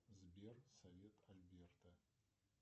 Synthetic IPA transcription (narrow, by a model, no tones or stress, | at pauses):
zbersovʲetʼʰalʲbʲert̪ʰɐ